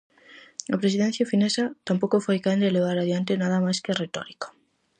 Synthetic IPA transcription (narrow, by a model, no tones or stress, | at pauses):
apɾesiðẽn̟θjafinesat̪ampokofojkand̪eleβ̞aɾaðjant̪enað̞amajskeret̪o̰ɾiko̥